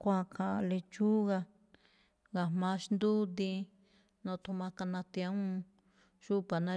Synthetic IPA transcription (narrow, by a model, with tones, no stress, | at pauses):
kʷã˧˨kʰa˨˧le˧t͡ʃu˦ɣa˧ | ɡa˨hmã˧˦ʃnd̪u˦d̪ĩ˧ | nõ˧t̪u˧mã˧ka˧nã˧t̪a˦ũ˦˧ | ʃu˦pa˨nã˦˧